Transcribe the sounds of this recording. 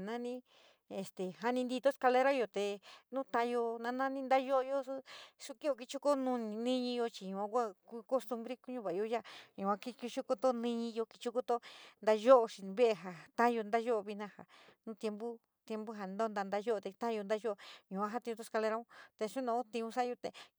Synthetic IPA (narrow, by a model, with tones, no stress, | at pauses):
nã˦nĩ˦ | e˨st̪e˨ɦa˧nĩ˧nd̪i˧t̪o˦ska˧le˧ɾa˦jo˧t̪e˧nũ˦t̪ã˧jo˧nã˧nã˦nĩ˦nd̪a˦jo˦ʔo˧jo˦su˦ʂu˧ki˦o˧ki˧t͡ʃu˦ko˦nũ˧nĩ˧nĩ˦ɲĩ˧jo˧t͡ʃi˨˧ɲũ˨ã˧kʷa˦˧ku˧ko˦st̪u˧mbɾi˦ku˦ɲũ˧˦βa˨˧o˧˦ja˦ɲũ˨ã˧ki˦ku˧t͡ʃu˦ko˧t̪o˦nĩ˦˧ɲĩ˧jo˧ki˧t͡ʃu˦ko˦t̪o˦nd̪a˧ʒo˦ʔo˧ʃi˨˧βe˦e˧ɦa˨t̪ã˦jo˧nd̪a˦ʒo˦ʔo˧βi˧nã˧ha̰˨nũ˦t̪je˧mbu˦ | t̪je˧mbu˦ɦa˧˨˧nd̪o˦nd̪a˧nd̪a˧jo˦o˧t̪e˧t̪ã˦jo˧nd̪a˦ʒo˦ʔo˧ɲũ˨ã˦ɦa˦t̪ĩ˧t̪o˦ska˧le˧ɾa˦ũ˦t̪e˧ʂu˦nõ˧˦t̪ĩ˧ũ˧sa˦jo˧t̪e˨